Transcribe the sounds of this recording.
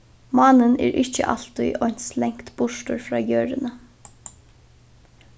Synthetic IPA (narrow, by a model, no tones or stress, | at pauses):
mɑːnənɛ̰ːɾʔɪht͡ʃːə̰ʔa̰l̥t̪ʊjʔɔnslɛŋkt̪bʊʂtʊɹfɾɑːjøːɹɪnə